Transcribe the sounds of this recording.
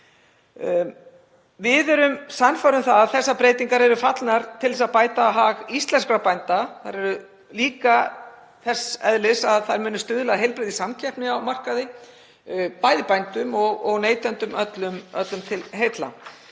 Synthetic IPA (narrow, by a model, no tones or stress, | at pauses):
vɪðɛɾʏmsanfaɾʏmθaðaðθɛsːapɾeːjt̪iŋkaɾɛɾʏfat̪lnaɾ̥t̪ʰɪlɛsaðpaːjt̪aɦaɣist̪lɛnskɾapajnt̪aθaɾɛɾʏ | liːka | θɛsɛðlɪsaðθaɾmʏːnːʏst̪ʏðʏlaðɦejlpɾɪðisamcʰɛr̥pnɪawmar̥kaðɪ | paːjðɪpajnt̪ʏmɔɣɔɣneːjt̪ɛnt̪ʏmœt̪lʏmœt̪lʏmt̪ʰɪlɦejt̪la̰